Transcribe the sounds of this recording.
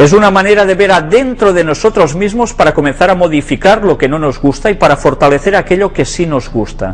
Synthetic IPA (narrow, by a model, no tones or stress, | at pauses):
esunamaneɾaðeβeɾaðentt̪ɾoðenosot̪ɾozmizmospaɾakomen̟θaɾamoð̞ifikaɾlokenonozɣust̪aipaɾafoɾt̪aleθeɾakeʎokesinozɣust̪a̰